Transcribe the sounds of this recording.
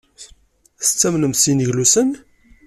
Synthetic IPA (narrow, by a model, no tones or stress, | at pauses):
st͡sːæmnəmsiniʝlusən